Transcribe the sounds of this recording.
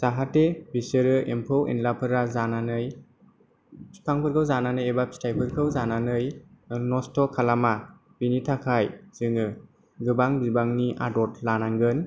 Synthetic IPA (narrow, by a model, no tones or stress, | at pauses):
zaɦatebisɯɾɯʔempʰɯwḭnlapʰɯɾazananɯj | pʰaŋpʰɯɾkʰɯwzananɯjebap̚stʰajpʰɯɾkʰɯwzananɯjnɔstɔkʰalama | b̥initʰakʰajz̥ɯŋɯ | ɡɯbaŋbibaŋniʔa̰dɔtlanaŋɡɯn